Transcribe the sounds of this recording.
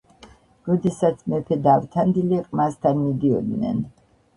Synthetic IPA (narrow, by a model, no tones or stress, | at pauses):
ɾɔd̪ɛsat̪sʰmɛpʰɛd̪avt̪ʰand̪iliqʼmast̪ʰanmid̪iɔ̰d̪nɛ̰n